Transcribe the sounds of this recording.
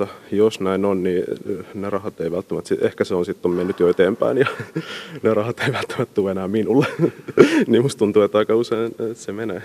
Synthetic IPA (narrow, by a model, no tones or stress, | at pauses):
ɑjosnæinonninerɑhɑt̪eiʋælt̪ːæmæt̪siʔehkæseonsit̪ːommenːyt̪joet̪eːmpæ̰injɑ | nerɑhɑt̪eiʋælt̪ːæ̥mæt̪t̪uːenæːminulːe | niːmust̪t̪unt̪uet̪ːɑikɑuseint̪semenæ